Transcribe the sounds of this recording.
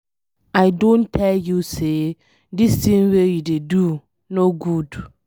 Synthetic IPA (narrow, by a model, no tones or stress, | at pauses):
aɪdõntʰɛljuse | distĩnwejudedu | noɡud